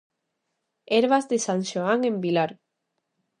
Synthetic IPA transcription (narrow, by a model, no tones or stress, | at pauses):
eɾβazðesanʃoaŋẽmbilaɾ